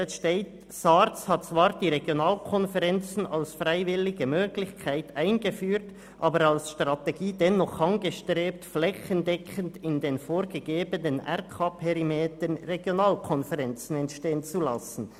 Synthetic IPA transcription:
ɛsʃteːt | saɾt͡shɑt̚t͡svaːɾd̥iːʁeɡjonaːlkʰɔnfɛʁɛnt͡sn̩alsfʁaɪvɪlɪɡəmøːɡlɪçkʰaɪtaɪnɡəfyːt | ʔɑːbəɾalsʃtʁɑteɡiːdɛnɔχɑnɡəʃtʁeːp̚tflɛçəndɛkʰəndɪndeːnfoːɾɡəɡeːbənənʔɛ̰ɾkʰapʰɛɾimeːtənreɡjonaːlkʰɔnfɛʁɛnt͡sn̩ɛntʃteːənt͡sulɑsn̩

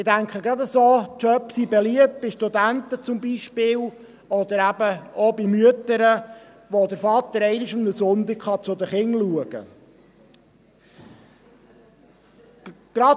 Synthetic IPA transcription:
ɪdæŋkχəɡɾɑd̪əsoːt͡ʃœpsibɛliəp̚t̚b̥ɪʃtud̪ænt̪ət͡sʊmbiʃpɪːl | ɔd̪əɾæbəɔbɪmyət̪əɾə | ʋod̪əɾfɑt̪əɾɛɪnɪʃʊmnəsʊnd̪ɪkχɑt͡sʊd̪əχɪŋluəɡ̥ə̰ | ɡ̥ɾɑ

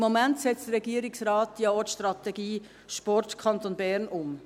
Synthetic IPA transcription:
mːomæntsɛt͡sd̥əɾɛɡiːəɾɪksɾɑːtdjɑɔtʃtɾɑt̪ɛɡiː | ʃpɔrtkʰɑnt̪onbɛːɾnʊm

